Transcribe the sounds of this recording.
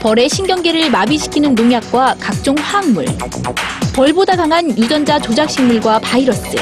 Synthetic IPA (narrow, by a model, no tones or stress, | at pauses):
pʌɾe̞ɕʰinɡjʌŋɡe̞ɾɯɭmabiɕʰi̥kʰinɯnːoŋjak̚k͈wakak̚t͡ɕ͈oŋɸaːŋmuɭ | pʌɭbodaɡaŋɦanjud͡ʑʌnd͡ʑat͡ɕod͡ʑak̚ɕ͈ʰiŋmuɭɡwapaiɾʌt͡ɕ͈ɯ̰